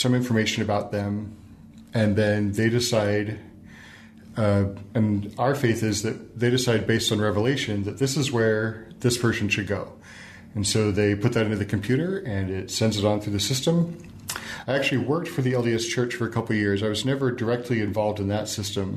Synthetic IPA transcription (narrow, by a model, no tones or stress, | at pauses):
sʌ̃mɪ̃ɱfə˞meɪʃɨ̃nɨbaʊt̪̚ðɨ̃m | ɨ̃nðɨ̃nðeɪɾɨsaɪɾ | ɨ̃naʊə˞feɪθɪzðɨt̚ðeɪɾɨsaɪd̚beɪstn̩ɹɛvəleɪʃɨ̃nðɨt̪̚ðɪsɨzwə˞ðɪspʰɜ˞sn̩ʃɨd̚ɡoʊ | ɨ̃nsoʊðeɪpʰʊt̪̚ðɨɾɪ̃ntʉɨðɨkʰɨm̩pʰj̥ʉɾə˞ɨ̃nɪtsɛ̃ndzɨɾn̩θɹʉðɨsɪstə̃m | aɪæk̚t͡ʃʉl̩ˠiwɜ˞k̚tfə˞ðiɛlˠdiɨst͡ʃʰɜ˞t͡ʃfə˞ɨkʰʌpl̩ˠjɪɹzaɪwʌznɛvə˞də˞ɛk̚tʰˡliɨ̃ɱvɑlˠvdɨ̃nðətsɪstɨ̃m